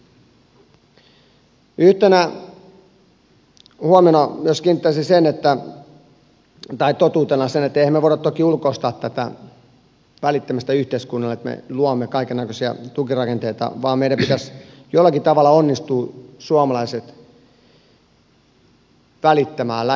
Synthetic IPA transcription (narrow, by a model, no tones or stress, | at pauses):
yht̪enæ | huɑmenɑmyøskint̪ːɑsisenet̪ːæ | t̪ɑit̪ot̪uːt̪enɑsenet̪ːæehæmːeʋoˑiɾɑt̪t̪okiulkoist̪ɑːt̪ːæt̪æ̰ | ʋælit̪ːæmæst̪æyht̪eiskunːɑlet̪mḛluɑmːekɑikenːækøsiɑ̰t̪ukirɑkent̪eit̪ɑ̰ʋɑːmmeiɾæmpit̪æs | jolːˑɑkit̪ɑʋɑlːˑɑonːist̪uːsuɑmɑlɑiset̪ | ʋælit̪ːæmæːlːæ